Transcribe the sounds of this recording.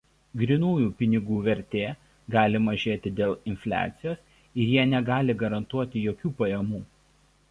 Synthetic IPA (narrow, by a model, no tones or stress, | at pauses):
ɡɾʲɪnuːjuːpʲɪnʲɪɡuːʋʲɛɾʲt̪ʲeː | ɡɑːlʲɪmɐʒʲeːt̪ʲɪd̪ʲeːlˠɪnʲfʲlʲæ̰ːt̪sʲɪjoːs | ɪɾjiɛnʲɛɡɑːlʲɪɡɐɾɐnt̪uɔt̪ʲɪjoːkʲuːpɐjɛmuː